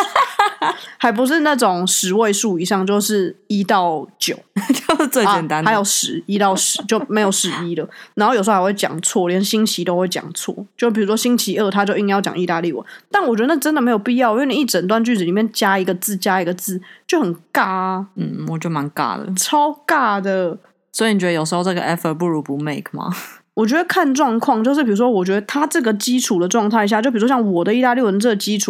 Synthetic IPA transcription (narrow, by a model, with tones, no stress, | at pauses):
ha˧˥ɪp̬u˧˦ʂ̬ɻ̩˥˧na˥˩ʈ͡ʂo˨˩ŋʂɻ̩˨˩˦we˥˧ɪʂu˥˩i˨˩ʂɑ˥˧ŋt͡ɕjo˥˧ʊʂɻ̩˥˩i˦˥t̪ɑ˥˩ʊt͡ɕjo˨˩ʊt͡ɕo˥˧ʊʂ̩˥˧t͡swe˥˩t͡ɕɛ˨˩nt̪a˥˦na˧˦˥jo˨˩ʊʂɻ̩˨˧˦i˦˥t̪ɑ˥˩ʊʂɻ̩˨˦t͡ɕjo˥ʊme˧˥ɪjo˨˩ʊʂɻ̩˨˩i˦˥lə˨na˨˧nxo˥˩jʂ̩˧˥˩wt͡ɕjɑ̰˨˩ŋt͡sʰwɔ˥˩˨wjɛ˥nɕi˥ŋt͡ɕʰi˧˥t̪o˥ʊxwe˥˩ɪt͡ɕjɑ̰˨˩ŋt͡sʰwɔ̰˥˩˨t͡ɕo˥˧ʊʂpi˨˩u˧˦ʂwɔ˥ɕi˥ŋt͡ɕʰi˧˥ə˥˩t̪ʰa˥t͡ɕjo˥˧ʊi˥˧ŋjɑ˥˩ʊt͡ɕjɑ̰˨˩ŋi˥˧t̪a˥˧li˥˨wə̰˨˩˦t̪a˥˨nwɔ˨˩t͡ɕɥɛ˧˥ə˧ə˥˩ʈ͡ʂə˥ndə˨me˧˥ɪjo˨˩ʊpi˥˧jɑ˥˨ʊ˧˥˩ni˨˩˦i˥˩ʈ͡ʂə˨˩nt̪wa˥˧nt͡ɕy˥˩t͡s̩˨li˨˩mjɛ˥˩nt͡ɕja˥i˧˥ɡə˧t͡sɹ̩˥˩t͡ɕja˥i˧˥ɡə˧t͡sɹ̩˥˩t͡ɕjo˥˩ʊxə˨˩nka˥˩n̩˥˩wɔ˨˩t͡ɕjo˥˩ʊma˧˦nka̰˥˩lə̰˩ʈ͡ʂʰɑ˥ʊka˥˩d̪ə˩ | swɔ˧˥i˨ni˨˩t͡ɕɛ˦d̪ə˧jo˨ʊʂɻ̩˧˥xo˥˧ʈ͡ʂə˥˩ɡə˨ʔɛ˥fə˧˩p̬u˥˩ɻu˧˦˥pu˧˦me˥˩ɪkʰma̰˩wɔ˨˩t͡ɕɥɛ˧˥d̪ə˨˧kʰa˥˧nʈ͡ʂwɑ˥˧ŋkʰwɑ˥˧ŋt͡ɕjo˥˧ʊʂ̬̩˥˩pʰi˨˩ɻu˧˥ʂwɔ˥wɔ˨˩t͡ɕɥɛ˧˥d̪ə˧˩t̪ʰa˥ʈ͡ʂɤ˥˩ɡə˩t͡ɕi˦˥ʈ͡ʂʰu˨˩d̪ə˩ʈ͡ʂwɑ˥˧ŋt̪ʰa˥˩ɪi˩ɕa˥˧t͡ɕo˥˧ʊpi˨˩u˦wɕjŋwɔ˨˩d̪ə˩˦i˥˧t̪a˥˧li˥˨wə˨˩n˧ʈ͡ʂɤ˥˩ɡə˩t͡ɕi˦˥u˨˩